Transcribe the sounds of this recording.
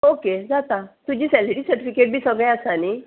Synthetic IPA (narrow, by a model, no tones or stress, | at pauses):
oked͡zat̪at̪ud͡ʑiːsɛliʈiːsəɾʈifikeʈ̚bʱiːsəɡɭɛ̃asani